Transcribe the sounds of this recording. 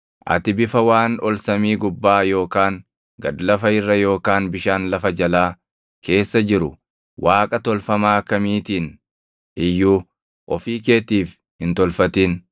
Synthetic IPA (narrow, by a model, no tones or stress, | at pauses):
ʔɐ̰t̪ɪbɪfɐwaːnɔlsɐmiːɡʊbːaːjo̞ːkaːŋ | ɡɐd̪lɐfɐɪrːɐjo̞ːkaːnbɪʃaːnlɐfɐd͡ʒɐlaː | ke̞ːsːɐd͡ʒɪɾʊ | wʔaːkʼɐt̪ɔlfɐmaːkɐmiːt̪iːn | ʔɪjːuː | ʔɔfiːke̞ːt̪iːf | hɪnt̪ɔlfɐt̪iːn